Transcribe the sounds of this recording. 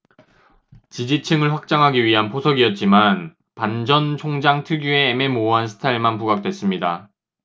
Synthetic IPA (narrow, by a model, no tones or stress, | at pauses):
t͡ɕid͡ʑit͡ɕʰɯŋɯɭɸwak̚t͡ɕ͈aŋɦaɡiɥiɦanpʰosʰʌɡiʌt̚t͡ɕ͈iman | pand͡ʑʌnt͡ɕʰoŋd͡ʑaŋtʰɯɡjue̞ːme̞moɦansʰɯ̥tʰaiɭmanpuɡak̚t͈we̞s͈ɯmɲida